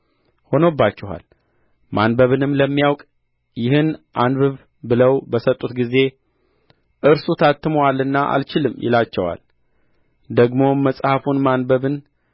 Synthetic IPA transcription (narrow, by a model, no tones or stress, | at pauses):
ho̞nobːat͡ʃːɪɦa̰l | manbəβɨnɨmləmːijawkʼ | jɪhɨnʔanbɨβ | bɨləwbəsət̪ʼːut̪ɡize̞ | ʔɨɾsut̪ʰat̪ːɨmwalɨnːaʔa̰lt͡ʃɪlɨmːjɪ̰lat͡ʃːɛwa̰l | d̪əɡmo̞mːəsʼhafunmanbəβɨn